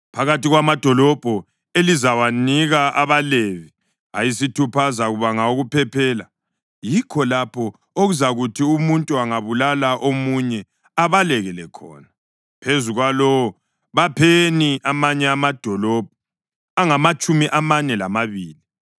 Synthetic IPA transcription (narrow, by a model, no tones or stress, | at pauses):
pʰaɣatiɣwamad̥ʱɔlɔb̥ʱɔ | elizawaniɣaʔaβalevi | a̰jisitʰupʰazaɣuβaŋaoɣupʰɛpʰɛːla | jikʰɔlapʰɔ | oɣuzaɣutʰiumuntʼuaŋaβulalaʔomuɲɛ | aβalɛɣɛlɛkʰɔ̰ːna | pʰezuɣwalɔwɔ | βapʰeniamaɲɛamad̥ʱɔlɔb̥ʱɔ | aŋamat͡ʃʼumiʔamanɛlamaβiːli